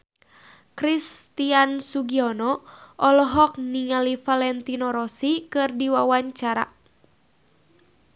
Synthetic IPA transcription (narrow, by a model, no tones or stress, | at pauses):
kɾist̪iansuɡiɔnɔʔɔlɔɦɔk̚niŋalifalɛnt̪inɔɾɔsikɨrdiwawaɲt͡ʃaɾa̰